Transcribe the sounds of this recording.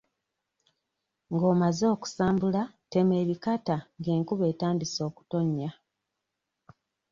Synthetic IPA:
ŋɡo̞ːmazeoku̥saːmbulate̞me̞ːβikataŋɡe̞ːŋkuβe̞ːtaːmbiso̞ːku̥to̞ɲːa

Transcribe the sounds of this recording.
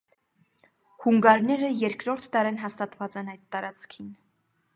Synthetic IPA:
huŋɡɑɾnɛɾəjɛɾkɾɔɾt̪ʰd̪ɑɾɛnɦɑst̪ɑt̪vɑt͡sɛnɑjd̪̚ːɑɾɑt͡sʰkʰin

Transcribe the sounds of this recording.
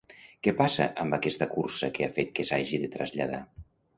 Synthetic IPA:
kɛpasə̰ʔəmbəkɛst̪əkursəkeafet̪̚kesaʒiðet̪ɾə̰zʎað̞a̰

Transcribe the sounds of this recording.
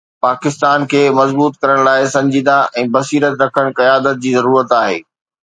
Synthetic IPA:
paːkɪst̪aːnkʰeːmɐzbuːt̪kɐɾəɽ̃laːɪsɐ̃ɲd͡ʑiːd̪aʔɛ̃ːbɐsiːɾət̪ɾɐkʰəɽ̃kɐjaːd̪ət̪̚d͡ʑiːzɐɾuːɾət̪aːɦḛː

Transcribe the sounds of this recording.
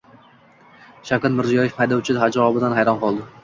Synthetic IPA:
ʃakʲɪt̪mɪɾzijɒjefhajd̪ɒwt͡ʃʰɪd̪ɦad͡ʒaɒbɪd̪anɦajɾɒnqɒlˠd̪ɪ

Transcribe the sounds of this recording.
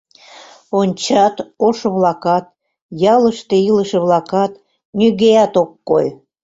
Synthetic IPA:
onʲt͡ɕɑt̪oʃɤβlɑkɑt̪̚ | jɑləʃt̪eiləʃĕβlɑkɑt̪ | nʲyɣejɑt̪okːo̰j

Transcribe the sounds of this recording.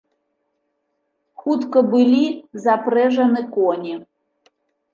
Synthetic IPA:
xut̪kəbɨlʲizapɾɛʐɐnɨkɔnʲi

